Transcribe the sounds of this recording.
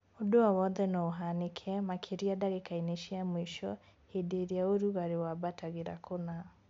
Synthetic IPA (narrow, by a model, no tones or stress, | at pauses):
odoawɔnðɛnɔoɦanekʰɛmakʰeɾiadaɣekaineʃiamwiʃɔ | hedeɾiaoɾuɣaɾewabataɣeɾa̰kʰona